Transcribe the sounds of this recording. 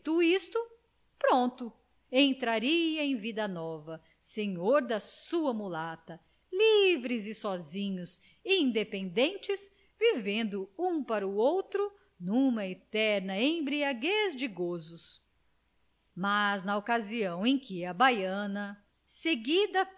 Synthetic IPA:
t̪uist̪ʊ | pɾõnt̪ʊ | ẽnt̪ɾaɾiɐẽj̃vid̪ɐnɔvɐ | seɲoɾd̪ɐsuɐmulat̪ɐ | livɾɪzɪsɔzĩɲʊs | iĩnd̪epẽnd̪ẽnt͡ʃɪs | vivẽnd̪ʊũpaɾɐuowt̪ɾʊ | nũmɐet̪ɛɾnɐẽj̃bɾiaɡezd͡ʒɪɡozʊs | maznɐokaziɐ̃w̃ẽj̃kɪɐbajɐ̃nɐ | seɡid̪ɐ

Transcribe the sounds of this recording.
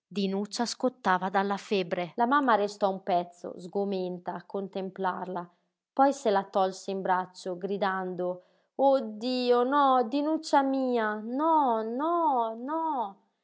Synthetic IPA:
d̪inut͡ʃːaskot̪ːaːvad̪alːafɛbɾelamamːaɾest̪ɔumpɛt̪sːo̰zɡomɛnt̪aːkːont̪empla̰rla | pɔjselat̪ɔlsiimbɾat͡ʃːoɡɾid̪and̪o | od̪ːiːonɔd̪inut͡ʃːamiːanɔnɔnɔ

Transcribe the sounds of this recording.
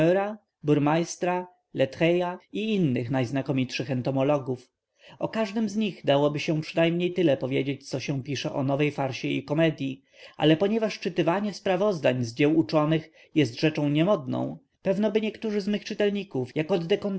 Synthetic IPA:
ɛɾa | buɾmajst̪ɾa | lɛt̪xɛjaiinːɘxnajznakɔmʲitʂɘxɛnt̪ɔmɔlɔɡuf | ɔkaʐd̪ɘmzɲiɣd̪awɔbɘɕɛ̃pʂɘnajmɲejt̪ɘlɛpɔvʲjed͡ʑet͡ɕt̪sɔɕɛ̃pʲiʂɛʔɔnɔvɛjfaɾɕɛḭkɔmɛd̪ʲji | ʔa̰lɛpɔɲɛvaʂt͡ʂɘt̪ɘvaɲɛspɾavɔzd̪aɲzd͡ʑɛwut͡ʂɔnɘx | jɛst̪ʐɛt͡ʂɔ̃w̃ɲɛmɔd̪nɔ̰̃w̃ | pɛvnɔbɘɲɛkt̪uʐɘzmɘxt͡ʂɘt̪ɛlɲikufjakɔd̪ːɛkɔn

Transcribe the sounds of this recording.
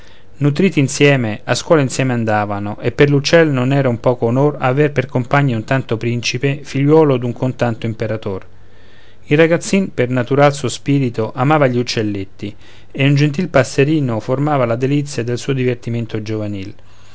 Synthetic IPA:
nut̪̬ɾiːt̪iːnsjɛːmeaskwɔːlainsjɛːmeand̪aːvanoʔepːerlut͡ʃːɛlnonɛːɾaumpɔːkoːnoraːverperkompaɲːaunt̪ant̪opɾint͡ʃipefiʎːwɔːlod̪uŋkʰont̪ant̪oimpeɾat̪or | ilraɡat̪sːinpernat̪uɾalsuospiːɾit̪oʔamaːvaʎiut͡ʃːelːet̪ːi | eund͡ʒent̪̬ilpasːeɾiːnoformaːvalad̪elit̪sːjad̪ːelsuːod̪ivert̪iment̪od͡ʒovaniːl

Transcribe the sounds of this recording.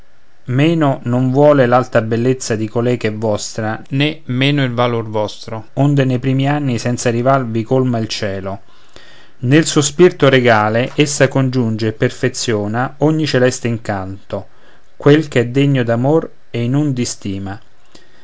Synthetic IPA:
mɛːnonoɱvwɔːlelalt̪abelːet̪sːad̪ikolɛːɡɛvːɔst̪ɾanemːɛːnʊilvalorvɔst̪ɾoond̪enejpɾiːmianːisɛnt̪sarivarvikolmailt͡ʃɛːlo | nelsospirt̪ʊɾeɡaːleʔesːakond͡ʒund͡ʒeːpːerfet̪sːjɔːnaɔɲːit͡ʃelɛst̪eiŋkant̪o | kwelkɛd̪ːeɲːod̪amor | einund̪ist̪iːma

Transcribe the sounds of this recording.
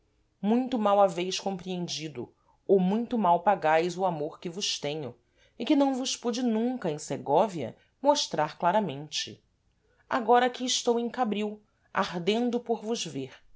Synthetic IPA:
mũj̃t̪ʊmawavejskõmpɾiẽnd͡ʒid̪ʊ̰ | owmũj̃t̪ʊmawpaɡajzʊamoɾkɪvʊʃt̪ẽɲʊ | ɪkɪnɐ̃w̃vʊspud͡ʒɪnũŋkɐẽj̃seɡɔviɐ̰ | moʃt̪ɾaɾklaɾɐmẽnt͡ʃɪ̰ | a̰ɡɔɾɐaːkiːʃt̪owẽj̃kabɾiw | a̰ɦd̪ẽnd̪ʊpoɾvʊzveɾ

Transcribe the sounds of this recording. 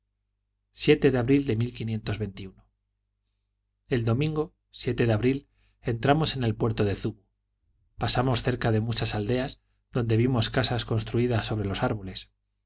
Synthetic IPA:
sje̞t̪e̞ðeaβɾild̪e̞milkinje̞nt̪o̞zβe̞nt̪iuno | e̞ld̪o̞mĩŋɡo̞ | sje̞t̪e̞ðeaβɾil | e̞nt̪ɾamo̞se̞ne̞lpwe̞ɾt̪o̞ðe̞θuβu | pasamo̞sθe̞ɾkaðe̞mut͡ʃasald̪e̞az | ðo̞nd̪e̞βimo̞skasasko̞nst̪ɾuiðasːo̞βɾe̞lo̞saɾβole̞s

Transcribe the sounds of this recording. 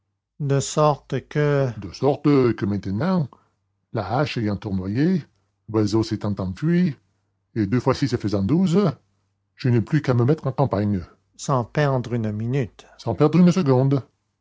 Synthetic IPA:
d̪əsɔʁt̪kəd̪əsɔʁt̪kəmɛ̃t̪ənɑ̃ | laaʃɛjɑ̃t̪uʁnwaje | bazoset̪ɑ̃t̪ɑ̃fɥi | ed̪øfwasisəfəzɑ̃d̪uz | ʒ̥ənɛplykaməmɛt̪χɑ̃kɑ̃paɲ | sɑ̃pɛʁd̪ʁynminyt̪ | sɑ̃pɛʁd̪ʁynsəɡɔ̃d̪

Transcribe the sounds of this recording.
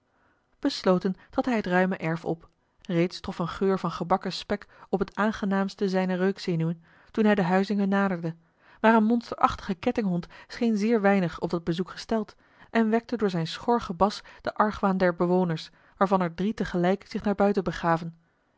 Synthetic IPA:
b̥əslowtəntʁɑtɦɛjɦətrœɥməʔɛɹfɔ̰p | rejtstrɔfənχøːɹvɑnχəbɑkəspɛkɔpɦətaːnχənaːmstəzɛjnərøɥksenyən | tunɦɛjdəɦœɥzɪŋənːaːdəɹdə | maːɾənmɔnstəɹʔɑχtə̥χəkɛtɪŋɦɔntsχejnzɪːɹʋɛjnəχɔb̚dɑd̚bəzukχə̥stɛlˠt | ʔɛnʋɛk̚tədʊːɹzɛjnsχɔɹχəbɑsd̥əʔɑɹχʋaːndɛɹbəʋownəɹs | ʋaːɹvɑnɛɹdritəχəlɛjkzɪχnaːɹbœɥtəbəχaːvən

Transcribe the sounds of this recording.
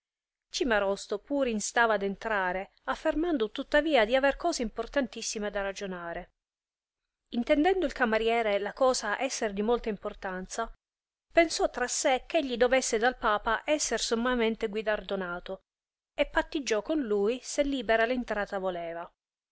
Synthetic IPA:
t͡ʃimaɾɔst̪opuːɾinst̪aːvaːd̪ent̪ɾaːɾe | afːermand̪ot̪ut̪ːaviːad̪iaverkɔːzeimport̪ant̪isːimed̪arad͡ʒonaːɾe | int̪ɛnd̪ɛnd̪oilkamaɾjɛːɾelakɔːsaʔɛsːerd̪imolt̪aimport̪ant̪sa | pensɔt̪ːɾasːek̟ːeʎːid̪ovɛsːed̪alpaːpaʔɛsːersomːament̪eɡwid̪ard̪onaːt̪o | epːat̪ːid͡ʒːɔkːonlujselːiːbeɾalint̪ɾaːt̪avolɛːva

